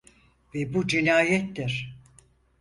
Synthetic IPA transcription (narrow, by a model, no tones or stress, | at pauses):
vebud͡ʒinaːjɛt̪d̪iɾ̥